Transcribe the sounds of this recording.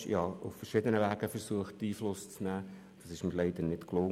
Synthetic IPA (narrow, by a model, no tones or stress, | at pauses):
jɑːʊ̰ffərʃɪd̪ənəʋæːɡəfəɾsuəχttiːflʊst͡snæː | d̥ɑsɪʃmɪɾlɛɪd̪ənɪtklʊŋ